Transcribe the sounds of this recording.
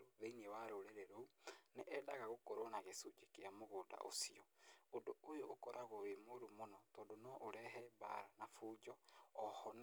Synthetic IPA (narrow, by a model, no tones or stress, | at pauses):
oβeiniewaɾoɾeɾeɾouneʔɛdaɣaɣokoɾonaɣesud͡ʒekeamoɣoːda̰ʔo̰siɔodoojoʔːkoɾʔaɣoɾemoɾumonɔtɔːndonoʔoɾɛɦɛba̰ɾanafuːd͡ʒɔːhɔn